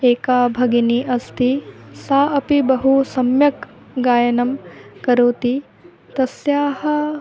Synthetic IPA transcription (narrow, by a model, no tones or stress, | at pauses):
eːkaːbʱɐɡiniʔɐst̪ʰisaːɐpibɐɦusɐmjɐk | ɡaːjɐnɐmkɐɾoːt̪i | t̪ɐsjaːhɐ̆